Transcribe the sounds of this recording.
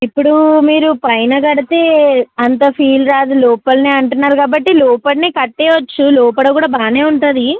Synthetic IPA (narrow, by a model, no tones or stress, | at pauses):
ipːuɽumiːɾupɐjnɐɡɐɽit̪e̞ːɐnt̪̬ɐpʰiːlɾaːd̪ulɔːpɐlneːɐɳʈunːaːɾukaːbɐʈːilɔːpɐlnikɐʈːeːʋɐt͡ʃːulɔːpɐɽɐkuːɽaːbaːne̞ːuɳʈund̪i